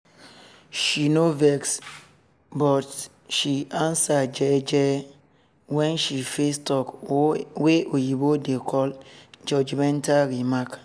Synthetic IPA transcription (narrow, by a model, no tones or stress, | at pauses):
ʃinovɛks | bɔt | ʃiãnsad͡ʒɛd͡ʒɛ | wɛ̃nʃifestɔkweojibodekʰɔld͡ʒɔd͡ʒmɛ̃ntalɾimak